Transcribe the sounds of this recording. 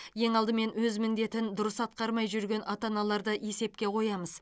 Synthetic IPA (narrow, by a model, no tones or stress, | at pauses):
je̞ŋɑlˠd̪əme̞nwɵzmɪnd̪e̞t̪ɪnd̪ʊɾəsɑt̪̚qɑɾmɑjʒʏɾɡʲe̞nʔɑt̪ɑnɑlˠɑɾd̪əʔe̞se̞pkʲe̞qʰo̞jɑməz